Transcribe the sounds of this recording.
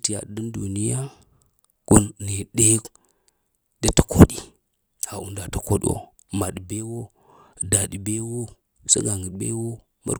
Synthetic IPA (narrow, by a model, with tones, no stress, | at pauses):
ti˨ja̰˨də˦ndu˨ni˦ja˦ | ku˦nːe˨ɗe˦ | de˦tḁ˨kʰo˦ɗi˨ | ha˨ʔu˨nda˨ta˨ko̰˦ɗ̰wo̰˨ | ma˨ɗi˨be˦wo˦ | da˨ɗi˨be˦wo˦ | sḛ˦ɡa˨ŋɡi˨bḛ˦wo˦ | ma̰˦